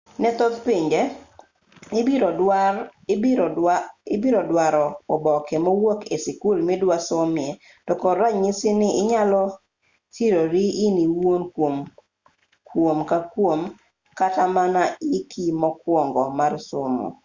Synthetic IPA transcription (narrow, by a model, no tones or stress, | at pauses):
nɛt̪od̪piɲd͡ʒe | ɪbiɾɔdwaɾɔɔbɔkɛmɔwokesikulmidwasomje | d̥ɔkɔɾaɲisɪnɪɪɲalɔ | tiɾoɾiːniwonkom | kwomkakwom | katamanaikʰimɔkwɔŋɡɔmarsomo̰